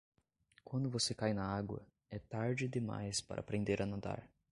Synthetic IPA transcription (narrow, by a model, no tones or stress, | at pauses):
kwɐ̃nd̪ʊvosekajnɐaɡwɐ̰ | ɛt̪aɾd͡ʒɪd̪ɪma̰jspa̰ɾʔɐapɾẽnd̪eɾɐnad̪a̰ɾ